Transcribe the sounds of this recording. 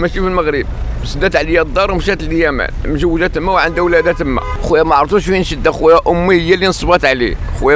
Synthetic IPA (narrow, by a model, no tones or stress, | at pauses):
mæʃifilməɣɾib̚ | səd̪æt̪ʕlijæd̪ˤːɑɾˤmʃæt̪əljæmæ̰nmʒəwːəʒæt̪əmːæwʕənd̪æwlæd̪æt̪əmːæ̰xujæmæʕɾˤfuʃwinʃəd̪ːæxujæʔʊmːihəjːælinsˤbɑt̪ʕlḭxujæ